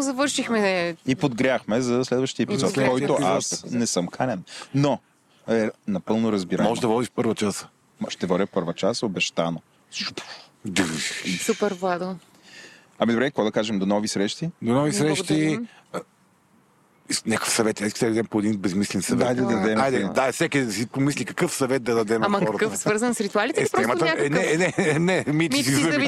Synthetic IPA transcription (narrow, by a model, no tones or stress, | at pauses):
zɐvɤɾʃixmɛipod̪ɡɾʲaxmɛzɐslɛd̪vəʃt̪iəɛpizɔtt̪kɔjt̪ʊasnɛsɤmkʰaɾʲɛnno | ɛnɐpɤlˠnoɾɐzbiɾamɔʒɛd̪ɐvɔd̪iʃfpɤɾvɐt͡ʃas | mʃt̪ɛvɔd̪ʲəpɤɾvət͡ʃasobɛʃt̪ano | pd̪supɛɾvad̪o | ɐmid̪obɾɛkəkɔd̪ɐkaʒɛmd̪onɔvisɾɛʃt̪id̪onɔvisɾɛʃt̪i | nʲakə̥fsɐvɛt̪ɛskisɛɐd̪ɛmpoɛd̪inbɛzmislɛnsɐvɛajd̪ɐd̪ɐɐd̪ɛajd̪ɛd̪aɛsɛkʲid̪d̪sipomislʲikɐkɤfsɐvɛt̪̚d̪ɐd̪ɐd̪ɛmamɐɔɾɐkəfsəɾzɐnsɾit̪ualit̪ɛtɾɛmɐt̪nɛnɛnɛmit͡ʃisizɐ